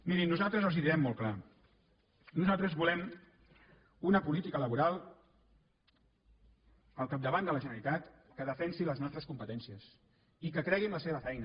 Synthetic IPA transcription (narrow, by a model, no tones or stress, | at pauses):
miɾinːuzalˠt̪ɾəzəlˠziðiɾɛmːɔlˠkla | nuzalˠt̪ɾəzβulɛm | unəpulit̪ikələβuɾalˠ | əlˠkab̚d̪əβand̪ələʒənəɾit̪at̪kəðəfɛnsiləznɔst̪ɾəskumpət̪ɛnsiəs | ikəkɾɛɣimləseβ̞əfɛjnə